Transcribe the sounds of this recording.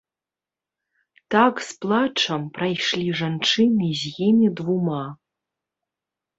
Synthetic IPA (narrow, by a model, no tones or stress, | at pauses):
t̪aksplˠat͡ʂʰɐmprajʂlʲiʐant͡ʂʰɨnɨzʲɣʲimʲid̪vuma